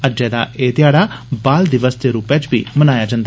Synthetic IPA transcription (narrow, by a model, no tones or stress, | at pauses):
əd͡ʒɛːd̪a̰ːʔeːd̪ɪjaːɽaːbaːld̪ɪʋəsd̪eːɾuːpɛːt͡ʃbḭːmənaːjaːd͡ʒãːnd̪a